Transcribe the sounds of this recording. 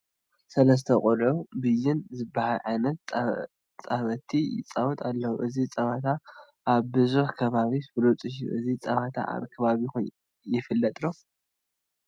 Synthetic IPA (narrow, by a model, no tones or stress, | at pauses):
sɐlɐs̬t̪ʰɐχʼɔlʕubɨjːɪnzɨbahaʕanɐt̪ | t͡sʼaβɐt̪ʰijɪ̰t͡sʼawut̪ʼalːɐwuʔɨzit͡sʼɐβat̪ʰa | ʔaβbɨzuħkʰɐβaβisfɨlot͡sʼɨʃṵʔɨzit͡sʼɐβat̪ʰa̰ʔa̰βkʰɐβaβix | jɪfɨlːɐt̪ʼlo